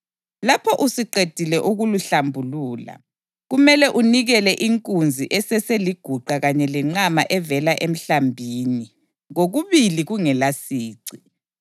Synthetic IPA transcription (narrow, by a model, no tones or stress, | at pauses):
lapʰɔʔusiǃed̥ʱilɛʔuɣuluɬambʱuluːla̰ | ɣumɛlɛʔuniɣɛlɛʔiŋkʼund͡zʱiʔɛsɛseliɡ̥ʱuǃaɣaɲɛlɛŋ͡ǀama̰ʔɛvɛlaʔem̩ɬambʱiːni | ɣoɣuβiliɣuŋɛlasiːǀi